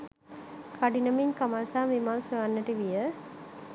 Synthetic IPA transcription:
kʰaɖinəmiɲkamaːsaːʋimaːnsʋeʋanːəʈiʋijə

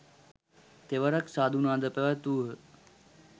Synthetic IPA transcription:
t̪eʋəɾaksaːd̪ʱunaːd̪əpeʋat̪uːɦə

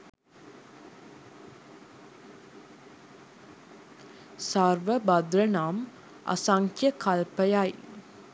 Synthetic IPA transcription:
sarʋəbad̪ɾənaːm | a̰saŋkʰjəkalpəjaj

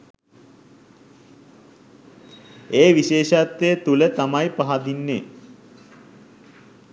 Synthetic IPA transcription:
eːʋiɕeːʃat̪ːeːt̪ulət̪amajpaɦad̪inːḛː

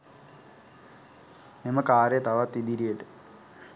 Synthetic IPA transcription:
nimɐkaːɾet̪ɐʋɐt̪ːid̪iɾijeʈɨ

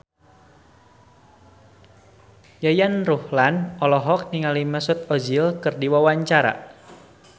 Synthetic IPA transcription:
jajanruhlanɔlɔɦɔk̚niŋaliməsʊt̪̚ɔd͡ʒilkɨrdiwawaɲt͡ʃaɾa̰

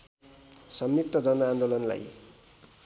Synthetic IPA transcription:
sʌmnit̪ːʌd͡zʌnʌand̪olʌnla̰j

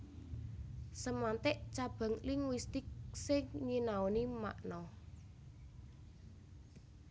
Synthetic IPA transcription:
səmant̪ɪʔt͡ʃab̥a̤ŋlɪŋwist̪ɪk̚sɪŋɲinaonima̰ʔnɔ

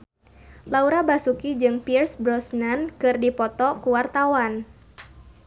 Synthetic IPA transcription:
lauɾabasukid͡ʒɨŋpirsbɾɔsnankɨrdipɔt̪ɔkuwart̪awan

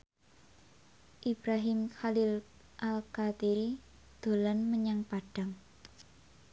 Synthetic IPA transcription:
ʔib̥ɾaɦɪmxalɪl | ʔalkat̪iɾi | d̪̥o̤lanməɲaŋpaɖ̥a̤ŋ

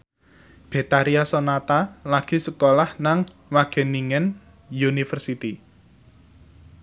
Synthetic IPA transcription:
b̥e̤t̪aɾiasɔnat̪alaɡ̥i̤səkolahnaŋwaɡ̥e̤niŋɛn | junifərsit̪i

